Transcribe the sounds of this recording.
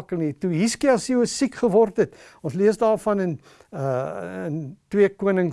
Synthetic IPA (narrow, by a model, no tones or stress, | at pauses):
kəlˠnituɦiskiɐsiəsikχəvɔrtət | ɔ̃nsliəsdɑːrfɐnən | əəntwiəkuənəŋ